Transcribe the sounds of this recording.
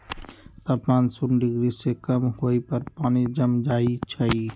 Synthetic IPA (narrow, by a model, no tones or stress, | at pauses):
t̪ɔːpnaːnsunɖɪɡɾisekəmhoːipəɾpaːnid͡ʒəmd͡ʒaːit͡ʃʰəi